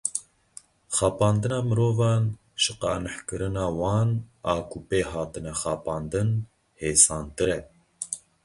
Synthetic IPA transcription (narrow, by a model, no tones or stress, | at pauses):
xɑːpɑːnd̪ɨnɑːmɨɾoːvɑːn | ʃɨ̥qɑ̰ːnɨħkɨɾɨnɑːwɑːnɑːkʰupeːɦɑːt̪ɨnɛxɑːpɑːnd̪ɨn | heːsɑːnt̪ɨɾɛ